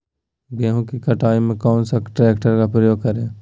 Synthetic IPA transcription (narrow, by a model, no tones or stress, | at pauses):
ɡɛːɦõkikɐʈʰaːimẽkɔːnsaʈɾɛːkʈəɾkapɾəjoːɡ̚kɐɾẽː